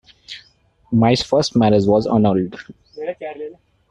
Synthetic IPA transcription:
maɪsfəsʈmæɾəzʋɔzɔ̰nɔɾɪɖ

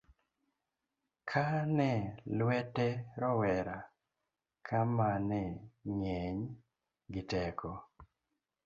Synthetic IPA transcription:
kʰanɛlwɛtɛɾɔwɛɾa | kʰamanɛɲɛɲ | ɡɪtɛkɔ

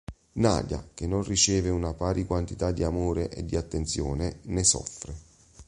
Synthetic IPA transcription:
na̰ːd̪ja̰k̟enːonrit͡ʃɛːveunapaːɾʔikwant̪it̪ad̪ːiamoːɾeʔed̪ːiat̪ːent̪sjɔːnenesɔ̰fːɾe

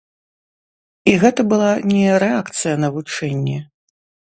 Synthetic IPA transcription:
iɣɛt̪ɐbɨlˠanʲɛɾɛakt̪sɨjɐnɐvut͡ʂɛnʲːɛ

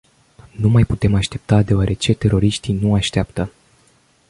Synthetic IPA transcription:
numajput̪e̞maʃt̪e̞p̚t̪ad̪e̞oaɾʔe̞t͡ʃe̞t̪e̞ɾo̞ɾiʃt̪ijnuaʃt̪eapt̪ə

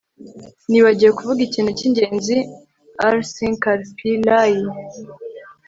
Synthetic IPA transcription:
niβaɟijekuvuɡiciːnhuciɲɟe̞ːnzi | aɾsiŋkaɾpilaji

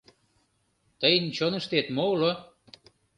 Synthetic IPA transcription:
t̪əjənt͡ɕonə̆ʃt̪et̪molo

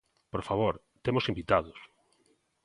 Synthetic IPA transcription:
poɾfaβ̞oɾ | t̪emʊsĩmbit̪að̞ʊs

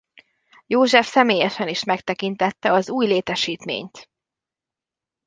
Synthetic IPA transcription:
joːʒɛfsɛmeːjɛʃɛniʃmɛkt̪ɛkint̪ɛt̪ːɛɒzuːjleːt̪ɛʃiːt̪mḛːɲt̪

